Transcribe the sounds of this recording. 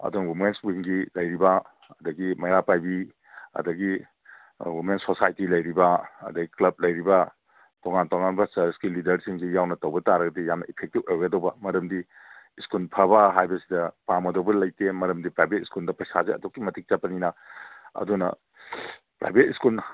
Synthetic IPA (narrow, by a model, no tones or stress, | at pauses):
ɐ̰dunɐwimenswiŋɡilɐjɾibɐ | ɐdɐɡimɐjɾapajbi | ɐ̰dɐɡi | wimensosajtilɐjɾibɐɐ̰dɐɡiklɐb̚lɐjɾibɐ | toŋantoŋanbɐsɐskilidɐɾsiŋɡijawnɐtɐwbɐtaɾɐɡɐdijamnɐipʰek̚tibojɡɐdɐwbɐmɐɾɐmdiː | skulpʰɐbɐɦajbɐsidɐpamɐdowbɐlɐjtemɐɾɐmdipɾajbʱet̚iskuldɐpɐjsazeɐ̰dokːimɐtik̚t͡ʃapːɐninɐɐ̰dunɐ̰ | pɾa̰jbʱet̚iskul